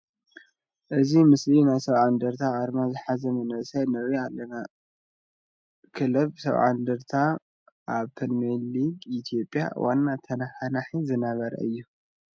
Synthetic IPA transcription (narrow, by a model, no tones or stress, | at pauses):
ʔɨzimɨslinajsɐβʕand̪ɐɾt̪ʰaaɾmazɨħazɐmɐnɨsajnɐβialːɐna | kʰɨlɐβsɐ̰βʕa̰nd̪ɨɾt̪ʰa | ʔaβpʰɨnmelːiɡit̪ʰijopʼja̰wanːat̪ʰɐnhanaħizɨnaβɐɾɐ̰ʔɨjːu